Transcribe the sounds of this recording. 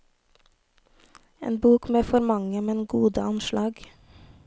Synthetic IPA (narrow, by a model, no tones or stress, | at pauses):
ḛːnbuːkmeːfɔɾmɑŋəmɛnɡuːd̪əɑnʃlɑːɡ